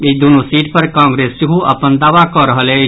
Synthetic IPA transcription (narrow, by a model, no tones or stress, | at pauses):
id̪unosiʈpəɾkãŋɡɾesseɦuʔə̰pənd̪aːʋakɔɾəɦəlɛ